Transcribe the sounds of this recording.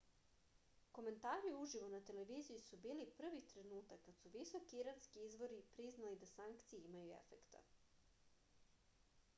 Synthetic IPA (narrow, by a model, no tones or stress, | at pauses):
ko̞me̞nt̪aːɾiuʒiʋo̞nat̪e̞le̞ʋiːzijusubiːlipr̩ʋit̪ɾe̞nuːt̪akːat̪suʋiso̞kiiɾanskiizʋo̞ɾipɾiznalid̪asaŋkt̪sijeimajuḛfe̞̰kt̪a̰